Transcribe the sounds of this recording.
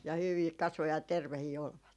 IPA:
jɑ hyʋiː kɑsʋo jɑ terʋehiː olʋɑt

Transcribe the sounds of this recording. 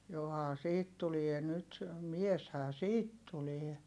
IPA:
johɑː siːt tulie nyt mieshæː siːt tulie

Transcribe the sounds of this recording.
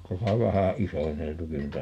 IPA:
tæsæ ʋæhæ isonːeltukin nuitɑ

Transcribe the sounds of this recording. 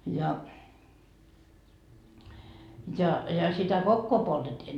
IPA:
jɑ jɑ sitæ kokːoː poltetːi

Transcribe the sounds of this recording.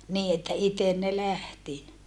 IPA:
niːi etːæ iten ne læhti

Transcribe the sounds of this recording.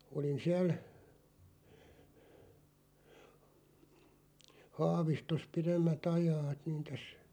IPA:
olin siæl hɑːʋistos piremːæt ɑjɑːt niːn tæs

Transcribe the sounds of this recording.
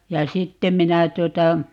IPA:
jɑ sitːem̆ minæ tuotɑ

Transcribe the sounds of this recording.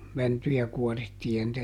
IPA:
mæntyjæ kuɔritːiː jɑ nĭtæ

